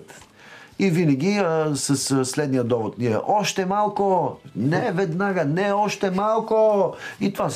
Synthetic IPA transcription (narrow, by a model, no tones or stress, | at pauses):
t̪ | ivinɛɡʲisəsslɛd̪nijəd̪ɔvot̪niɛʔɔʃt̪ɛmalˠkonɛvɛd̪naɡanɛɔʃt̪ɛmalˠkoit̪oa